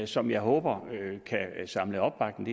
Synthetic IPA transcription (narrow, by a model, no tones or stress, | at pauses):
sɒ̽mjɑ̈ɪɦɔ̽ːb̥ɐkʰæsɑ̈mləɒ̽b̥ɑ̈ɡ̥̚d̥n̩d̥e